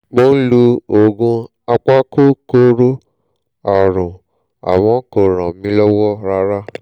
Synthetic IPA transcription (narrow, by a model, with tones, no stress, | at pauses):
ɡ͡bo˦n̩˦lu˧o˨ɡũ˧ | a˧k͡pa˦ko˦ko˦ɾo˦ | a˨ɾʊ̃˨ | a̰˨wɔ̃˨˦ko˨ɾã˨mĩ˧˦lɔ˦wɔ˦ɾa˧ɾa˦